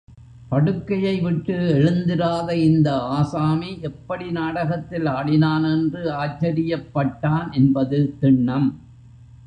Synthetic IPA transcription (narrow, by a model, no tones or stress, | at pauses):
pɐɽɯkːɐjɐɪʋɪʈːɯɛɻɯnd̪ɪɾaːðɐɪnd̪ɐaːsaːmiʔɛpːɐɽinaːɽɐɣɐt̪ːɪlaːɽɪnaːnɛndrɯaːt͡ʃːɐɾɪjɐpːɐʈːaːnʔɛnbɐðɯt̪ɪɳːɐm